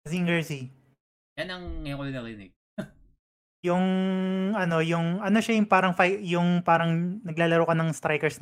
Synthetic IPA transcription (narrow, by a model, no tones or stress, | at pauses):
ziŋɡɛɹsi | janɐŋːɐjokʊlɪd̪ɐlnɪ | jʊŋ | ɐno̞jʊŋʔɐnoʃɐjʊŋpaːɾɐŋfajjʊŋpaːɾɐŋnɐɡlaːlɐɾoːkɐnɐŋst̪ɾajkɛɹs